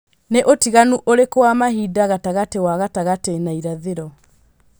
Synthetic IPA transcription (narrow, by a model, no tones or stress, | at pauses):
neʔotiɣanuʔoɾekowamaɦidaɣataɣatewaɣataɣatenaiɾaðeɾɔ